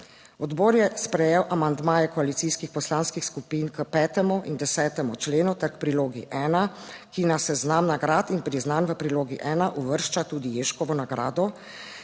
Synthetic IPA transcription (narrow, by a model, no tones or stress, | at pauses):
ɔd̪boːɾjɛspɾɛjɛwʔamand̪maːjɛkɔalit̪siːskixpɔslaːnskixskupiːnkəpɛːt̪ɛmuʔind̪ɛsɛːt̪ɛmut͡ʃleːnut̪ɛɾkpɾiloːɡḭʔɛːnakinasɛznamnaɡɾaːt̪inpɾiznanʋəpɾiloːɡiʔɛːnaʔuʋəɾʃt͡ʃat̪uːd̪ijeːʃkɔʋɔnaɡɾa̰ːd̪ɔ